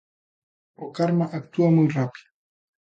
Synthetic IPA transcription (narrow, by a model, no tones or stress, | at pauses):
okaɾmaʔakt̪uwamʊjɾapi̥